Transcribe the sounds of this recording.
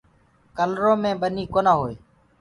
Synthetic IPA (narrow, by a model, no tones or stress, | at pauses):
kəlɾõːmẽːɓəniːkoːnaːɦoːeː